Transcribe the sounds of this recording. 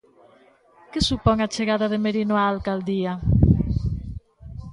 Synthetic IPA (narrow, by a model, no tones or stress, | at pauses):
kɪsupɔŋat͡ʃeɣaðaðemeɾinoaːlkald̪ia